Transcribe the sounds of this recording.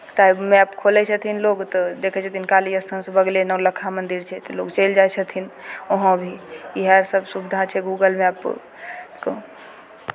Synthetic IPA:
t̪aimɛpkʰolɛt͡ʃʰət̪ʰinloɡt̪ɔd̪ekʰɛt͡ʃʰət̪ʰinkaliəst̪ʰənsəbəɡlenələkʰamənd̪iɾt͡ʃʰɛt̪lokt͡ʃəld͡ʒajt͡ʃʰət̪ʰinoɦə̃bʱiiɦɛɾsəbsubd̪ʱat͡ʃʰɛɡuɡəlmɛp | kə̰

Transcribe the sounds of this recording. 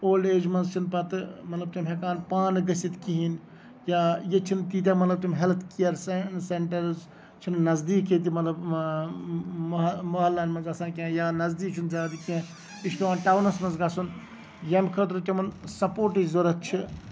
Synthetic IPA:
oːleːd͡ʒmɐnzt͡ʃʰinpɐt̪mɐt̪lɐb̚t̪umʲɦekaːnpaːnɡɐsit̪kiɦin | jaːjet͡ʃʰint̪iːt̪̬ʲamɐt̪lɐb̚t̪umʲɦelt̪kijɐɾsenseɳʈɐɾz | t͡ʃʰinnɐzd̪iːkit̪̬imɐt̪lɐb | mɐɦɐlːaːnmɐnzɐsaːnkẽjaːnɐzd̪iːkt͡ʃʰinzaːd̪ikẽ | iʃʈoʋaːnʈaːwnɐsmɐnzɡɐsun | jemkʰɐt̪̬ɾut̪ʲɐmɐnsɐpoːɾʈizoɾɐt̪̚t͡ʃʰi

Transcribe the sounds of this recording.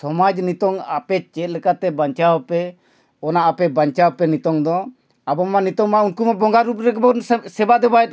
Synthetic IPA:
sɔmad͡ʒnit̪ɔŋapɛt͡ʃɛt̪̚lɛkat̪ɛbaɲt͡ʃawpɛ | ɔnaʔapɛbaɲt͡ʃawpɛnit̪ɔŋd̪ɔ | abɔmːanit̪ɔŋmaunkumabɔŋɡaɾup̚ɾɛkbɔsɛbaʔd̪ɛbaɛt̪̚

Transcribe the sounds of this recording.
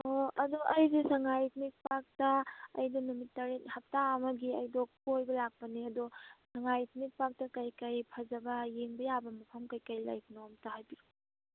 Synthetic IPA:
oɐdoɐjzisɐŋajt̚mik̚pak̚tɐːjdɔnumitːɐɾethɐp̚taɐmɐɡiɐjdok̚pojbɐlak̚pɐniɐdosɐŋajt̚mik̚pak̚tɐkɐjkajpʰɐzɐbɐjeŋbɐjabɐmɐpʰɐmkɐjkajla̰jkunomtaɦajbiɾo

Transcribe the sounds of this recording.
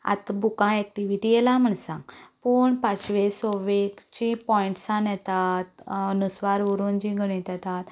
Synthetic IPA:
a̰t̪bukãɛk̚ʈiʋiʈijɛlãm̤əɳsã̰puːɳpat͡sʋesoʋekt͡ɕĩpɔ̃iɳʈsãnjɛt̪at̪nusʋaɾuɾund͡ʑĩɡʱəɽ̃ĩt̪jɛt̪at̪

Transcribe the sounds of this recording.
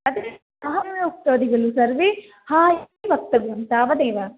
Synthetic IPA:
ɐd̪e | ɐɦɐmjoːk̚t̪ɐd̪iɡɐɭusɐɾʋe | haːɦ | bɐk̚t̪ɐɡɐmt̪aːʋɐneːʋɐ

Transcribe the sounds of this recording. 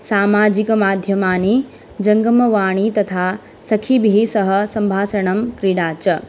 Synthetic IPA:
saːmaːd͡ʑikɐmaːd̪ʱjɐmaːni | d͡ʑɐ̃ŋɡəmɐʋaːɽ̃it̪ɐt̪ʰa | sɐkʰibʱiɦisɐɦɐ̆sɐ̃mbʱaːsɐɽ̃ɐmkɾiɽaːt͡ʃɐ

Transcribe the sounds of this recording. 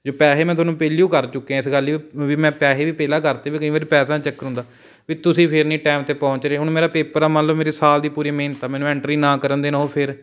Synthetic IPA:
d͡ʒoːpɛːseːmɛ̃ːt̪ʊːnũːpeːlijũːkəɾt͡ʃʊkːiãɪsɡəliʋiːmɛ̃ːpɛːɦeːʋiːpɛːlaːkəɾt̪eːʋiːkəĩːʋaːɾiːpɛːsãːt͡ʃəkːəɾɦʊ̃nd̪aː | ʋiːt̪ʊsĩːpʰɪɾnĩːʈɛːmt̪eːpɔ̃ːɲt͡ʃɾeːɦʊɳ̃meːɾaːpeːpəɾaːmənləbmeːɾiːsaːld̪iːpuːɾiːmeːnt̪aːmɛ̃ːnũːɛ̃ɳʈɾiːnãːkəɾənd̪eːnaɦoːpʰɪɾ

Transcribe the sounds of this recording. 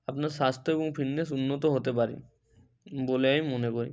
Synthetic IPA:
apnaɾʃast̪ʰoeboŋpʰinːesunːot̪oɦot̪ep̬aɾḭ | boleajmonekoɾḭ

